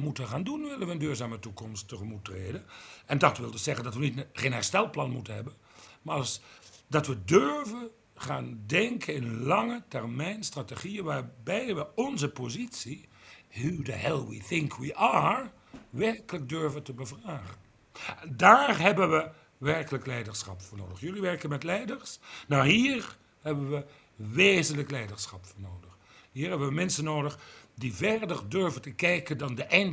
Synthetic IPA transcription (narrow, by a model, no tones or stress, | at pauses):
mutəχaːndunʋɪlənʋəəndyːɹzaːmətukɔmstːəχəmutːrḛːjdənɛndɑtʋɪlˠdəsɛχəndɑtʋənitχeːnɦɛ̰ɹstɛlˠplɑnmutənɦɛbən | maːsdɑtʋədøɹvən | χa̰ːndɛŋkʰənɪnənlɑŋətɛrmɛjnstrateχiəʋaːɹbɛjʋəɔnzəpozitsiɦudəɦɛlˠwḭθɪŋkʰwiʔaɹ | ʋɛɹkələk̚døɹvəntəbəvraːχən | daːrɦɛbənʋə | ʋɛrkələklɛjdəɹsχɑ̰pfʊːɹnoːdəχjɵliʋɛrkənmɛtlɛjdəɹsnɑwɦiːɹ | ɦɛbənʋə | ʋeːzənləklɛjdəɹsχɑpfʊːɹnoːdəχ | ɦiːɹɦɛbəʋəmɛnsənoːdəχdivɛrdərdøɹvəntəkɛjkəndɑndəʔɛn